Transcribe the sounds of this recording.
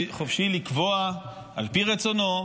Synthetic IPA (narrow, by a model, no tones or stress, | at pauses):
χofʃilikvo̞a | alpiʁet͡so̞no̞